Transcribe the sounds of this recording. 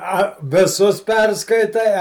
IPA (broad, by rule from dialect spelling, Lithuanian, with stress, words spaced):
ˈɐ ʋʲɪˈsʊs ˈpʲɛrskɐɪtɐɪ ˈɐ